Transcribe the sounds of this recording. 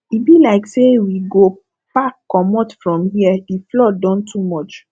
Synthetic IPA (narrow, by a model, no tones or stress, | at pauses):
ibilaɪksewiɡo | pakːɔmɔtfɹɔ̃mhiəiflɔdãntʰumɔt͡ʃ